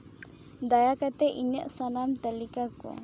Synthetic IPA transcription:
d̪ajakat̪ɛʔiɲəʔsanamt̪əlikako̰

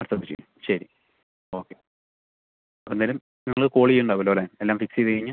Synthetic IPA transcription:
ɐt̪ːɐðit͡ɕːḛ | ɕɐɾi | o̞ːkːe̞ | enːaːlum | nɐŋːɐɭɨko̞ːɭijuɳɖaːʋɐloːlaːne̞lːaːmfiksijɐðɨkɐiɲːɨ

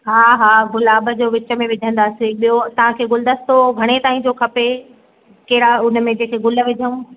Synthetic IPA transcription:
ɦaːɦaːɡʊlaːbəd͡ʑoːʋɪt͡ɕə̆mẽʋɪd͡ʑʱə̃nd̪aːsɪɓijot̪ɐʋ̤ãkʰeːɡʊld̪əst̪oɡʱɐɽ̃et̪aːĩd͡ʑokʰɐpe | kɐɾaʊn̆mẽd͡ʑeːkʰeɡʊlə̆ʋɪd͡ʑʱəũː

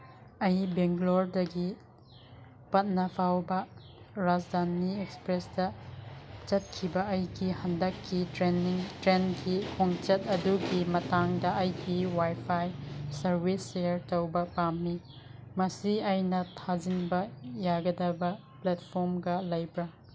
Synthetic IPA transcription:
ɐjbeŋɡloɾdɐɡi | pɐt̚nɐpʰawbɐ | ɾad͡ʒdanːiekspɾesdɐ | t͡ʃɐt̚kʰibɐɐjɡihɐndɐkːitɾeniŋtɾenɡikʰoŋt͡ʃɐtɐduɡimɐtaŋdɐʔɐjɡiwajpʰajsɐɾbisːeɾtɐwbɐpamːi | mɐsiɐjnɐtʰad͡ʒinbɐjaɡɐdɐbɐ | plat̚pʰoɾmɡɐlɐjbɾɐ

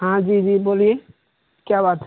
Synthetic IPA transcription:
ɦãd͡ʒid͡ʒibolie | kjabat̪

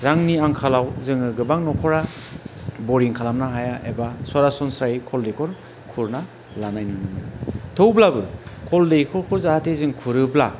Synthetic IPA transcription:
ɾaŋniaŋkʰalawzɯŋɯɡɯbaŋnɔkʰɔɾa | bɔɾiŋkʰalamnaɦajaʔebaswaɾasɔnsɾajkʰɔldekʰɔɾ | kʰuɾna | lanajnɯnɯnɯɯtʰowblabɯkʰɔldekʰɔɾkʰɔɾzahatʰezɯŋkʰuɾɯbla

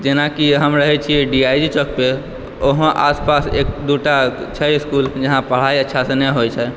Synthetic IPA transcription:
d͡ʒenakiɦəmɾəɦɛt͡ʃʰiɛɖiajd͡ʒit͡ʃɔk̚pe | oɦə̃ʔaspasḛk̚d̪uʈat͡ʃʰɛiskuld͡ʒəɦãpəɽ̤aiətːʃʰasẽnɛɦojt͡ʃʰɛ

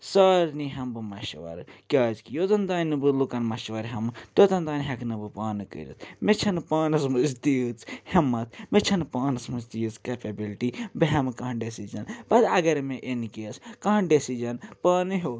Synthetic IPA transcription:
saːɾniɦɐmbɨmɐʃɐʋɐ̰ɾkʲaːzkijoːt̪ɐnd̪aːnʲnɨbɨlukɐnmɐʃʋɐɾɦɐmt̪ot̪ɐnd̪aːnɦɐknɨbɨpaːnɨkə̰ɾḭt̪ʰmet͡ʃʰɐnpaːnɨsmɐzt̪it͡shɐmːɐt̪ʰmet͡ʃʰɐnpaːnɐsmɐzd̪iɨt͡skeːpebilʈibɨɦɐmkɐɦɐnɖesid͡ʒɐnbɐt̪ɐɡɐɾmeʔenkeːskɐɦɐnɖesid͡ʒɐnpaːnɨɦoː

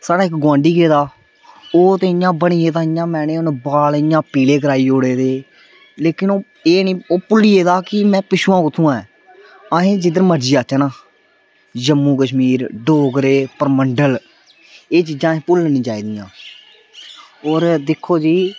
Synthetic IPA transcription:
saːɽaːɪkɡãːɳɖiːɡeːd̪aː | oːt̪ẽːɪjãːbəɳiːeːt̪ãːɪjãːmɛ̃ːneːʊnbaːlɪjãːpiːleːkəɾaːiːoːɽeːd̪eː | leːkɪnoː | eːnĩːoːpʊlːiːeːd̪aːkɪmɛ̃ːpɪʃuːãːkʊt̪ʰːũːãːɛː | ãːɦẽːd͡ʒɪd̪əɾməɾd͡ʒiːaːt͡ʃəːnãː | d͡ʒəmːũːkəʃmiːɾɖoːɡɾeːpəɾməɳɖəl | eːt͡ʃid͡ʒãːẽːpʊlnĩːt͡ʃaːiːd̪ijã̰ː | oːɾd̪ɪkʰːoːd͡ʒiː

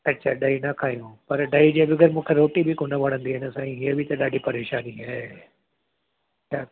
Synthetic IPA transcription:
ɐtːɕʰaɗaːinɐkʰaːɦijũpɐɾɖaːid͡ʑeːʋɪɡəɾmũːkʰeɾoːʈibʱɪkʊnəʋɐɽ̤̃ə̃nd̪iɪnəsãːĩɦiəbʱɪt̪ɐɗaːɖʱipɐɾeːʃaːniɦaː | t͡ɕʰaː

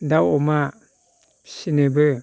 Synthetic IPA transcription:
daɔma | sinebɯ

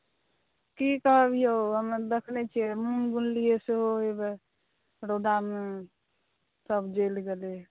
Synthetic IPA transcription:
kikəɦəbijoɦəmd̪ekʰnɛt͡ʃʰiɛmunɡunlijeseɦoebe | ɾoɖame | səbʱd͡ʒelɡele

